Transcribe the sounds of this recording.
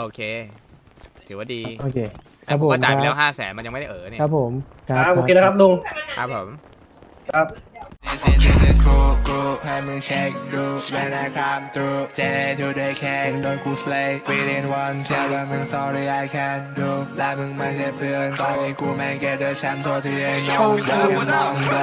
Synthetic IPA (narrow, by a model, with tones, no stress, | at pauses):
ʔoː˧kʰeː˧ | t̪ʰɯː˨˩˦waː˥˩diː˧ʔoː˧˩kʰeː˧ | kʰa˦˥pʰːo˩˦˥mt͡ɕaː˨a˨lɛː˦˥ɦaː˥˩sɛ̰ː˩˦nma˧nja˧ŋm˥˩˥ʔːnː˥˩kʰɾa˦˥p̚ʰːo˩˦m | kʰa˦˥aʔoː˧eː˧na˥kʰa˦˥p̚nuː˧ŋkʰa˦˥pʰːo˩˦m | kʰa˦˥p̚di˧si˧di˧si˧nkʰuː˧kuː˧ha˧mɯ˧ŋt͡ɕʰɛ˦k̚duː˧wɛː˧naː˧kʰa˧˥mt̪ɾuː˧t͡ɕe˧t̪ʰuː˧de˧kʰɛː˧˩ŋdoː˧jkuː˧sle˧jɾiː˧ɾi˧ə˧nwa˧nsʰa˧wa˧mɯ˧ŋsɔː˧ɾiː˧ʔa˧jkʰɛ˧nd̪uː˧la˧mɯ˧ŋmaː˧˩t͡ɕʰa˧pʰɯ˧ənt̪ɔː˧˩nːiː˦˧˥kuː˧mɛ˧ŋke˧du˧t͡ɕʰa˧˥mt̪ʰu˧ɐt̪ʰɯ˧ə˧ɔ˧ŋ˧